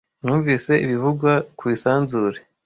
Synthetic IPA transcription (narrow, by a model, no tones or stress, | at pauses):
nuːɱviːse̞iβivuɡwakwiːsaːnzuːɾe